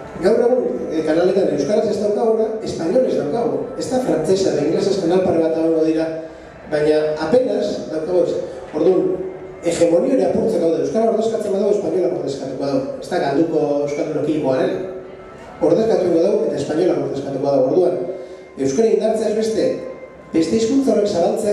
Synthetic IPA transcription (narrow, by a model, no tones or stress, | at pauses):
ɡawre̞ɣ̞unkanale̞t̪ane̞wskaɾasest̪awkaɣuɾae̞spaɲo̞lest̪awkaɣue̞st̪afɾant͡se̞saaiŋɣɡɾlesaespanalpaɾeβat̪aoŋɡoðiɾa | βaɲaːpe̞nazd̪awkaɣoes | o̞ɾðun | e̞xe̞mo̞nio̞eɾeapunt͡saɣawðenewskaɾaoɾðekat͡se̞mbaðawespaɲo̞lakoɾt̪e̞skat̪uko̞aðawe̞st̪aɣald̪uko̞ewskaɾeɾokimo̞aɾe̞n | o̞ɾðe̞skat̪ukoaðawe̞t̪ae̞spaɲo̞lamoɾt̪e̞skat̪uko̞aðawo̞ɾðuan | e̞wskaɾaind̪aɾt͡seazβe̞st̪e̞ | be̞st̪e̞iskunt͡saore̞ksaβalt͡sea